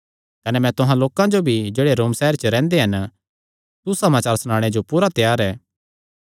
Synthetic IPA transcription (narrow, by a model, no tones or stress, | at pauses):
kɐnɛmɛ̃t̪ʊɦãloːkãd͡ʒobʱid͡ʒeːɽeɾoːmsɛɦəɾt͡ʃəɾɛ̃ːnd̪eɦɐn | susɐmaːt͡ʃaːɾsnãːɽ̃ed͡ʒopuːɾat̪jaːɾɛː